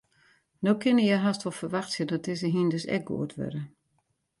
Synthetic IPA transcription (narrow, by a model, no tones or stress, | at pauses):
noːkʰɪnəjɛɦastʋɔlˠfərʋaxsjədɔt̚ɪsəɦindøsɛ̰k̚ɡo̰ətʰʋø̰ɾə